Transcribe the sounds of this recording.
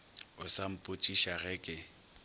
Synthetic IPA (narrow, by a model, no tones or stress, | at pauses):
ʊsam̩pʼʊt͡ʃʼiʃaɣɛkʼɪ